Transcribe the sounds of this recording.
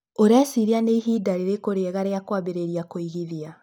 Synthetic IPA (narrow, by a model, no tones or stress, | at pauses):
oɾasiɾianeiɦiːdaɾeɾekoɾeɣaɾeakwaβeɾeɾijakoiɣiðia